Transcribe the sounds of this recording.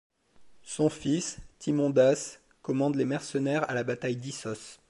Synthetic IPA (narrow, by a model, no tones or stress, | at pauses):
sɔ̃fist̪imɔ̃d̪as | kɔmɑ̃d̪lemɛʁsənɛʁalabat̪ajd̪isɔs